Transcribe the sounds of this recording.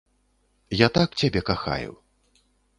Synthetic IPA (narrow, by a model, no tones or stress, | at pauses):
jat̪akt͡sʲabʲɛkaxa̰jṵw